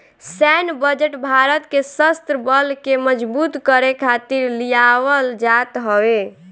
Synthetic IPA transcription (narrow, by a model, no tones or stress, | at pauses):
sɛnbəd͡ʒeʈbʱaɾət̪kesəst̪ɾəbəlkeməd͡ʒbut̪kəɾekʰat̪iɾlijawəld͡ʒat̪ɦəe